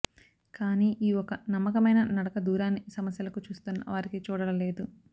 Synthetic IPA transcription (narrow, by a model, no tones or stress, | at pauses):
kaːniːʔiːɔkɐnɐmːɐkɐmɐjnɐnɐɽɐkɐd̪uːɾaːnːisɐmɐsjɐlɐkut͡ʃuːst̪unːɐ̰ʋaːɾikit͡ʃuːɽɐlɐle̞ːd̪u